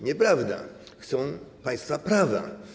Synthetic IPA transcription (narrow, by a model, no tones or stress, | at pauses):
ɲɛpɾavd̪a̰ | xt̪sɔ̃w̃paj̃st̪fapɾava̰